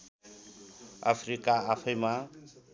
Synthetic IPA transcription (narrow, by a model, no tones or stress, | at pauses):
a̰pʰrikaːpʰʌjma